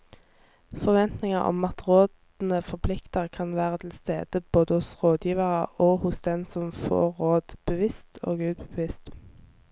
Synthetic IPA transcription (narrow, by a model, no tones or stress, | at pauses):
fɔʁʋɛnt̪nɪŋɑʁɔ̰mɑt̪ʁoːd̪ | n̩əfɔʁpʰlɪkt̪əʁkʰɑnʋæːʁət̪ʰɪlst̪ḛːd̪̥əb̥oːd̪əhʊsʁoːd̪jiːʋəʁəʔoːhʊsd̪ɛnsɔmfo̰ːʁoːd̪̥b̥əʋɪst̪ʰo̰ːɡʉːd̪̚bəʋɪst̪